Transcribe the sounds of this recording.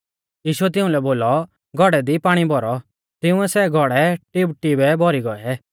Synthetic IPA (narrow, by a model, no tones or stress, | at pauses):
jiːʃuɛt̪̬ɪʊ̃lɛboːlɔ | ɡʱɔɽɛd̪ipaːɽ̃ibʱɔɾɔ | t̪ɪʊ̃ɛsɛɡʱɔɽɛʈɪbʈɪbɛbɔɾiɡɔɛɛ